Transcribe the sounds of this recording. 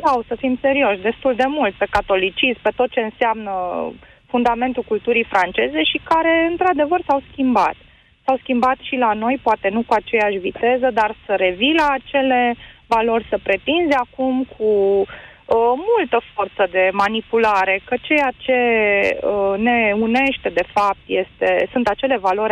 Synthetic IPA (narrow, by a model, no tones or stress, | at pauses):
dawsəfimse̞ɾio̞ʃʲd̪e̞st̪uld̪e̞mult̪̚pe̞kat̪o̞lit͡ʃispe̞t̪o̞t̪̚t͡ʃe̞ɨnseamnə | fund̪ame̞nt̪ukult̪uɾifɾant͡ʃe̞ze̞ʃikaɾe̞ɨnt̪ɾad̪e̞vərsawskʲimba̰t̪ | sawskʲimbat̪ʃilano̞jpoat̪e̞nukuat͡ʃe̞jaʃʲvit̪e̞zəd̪arsəɾe̞vilaːt͡ʃe̞le̞valo̞rʲsəpɾe̞t̪inzeakumkʰu | əmult̪əfort̪səd̪e̞manipulaɾe̞kət͡ʃe̞jat͡ʃe̞əne̞une̞ʃt̪e̞d̪e̞fap̚t̪je̞st̪e̞̰sunt̪at͡ʃe̞le̞valo̞ɾʲ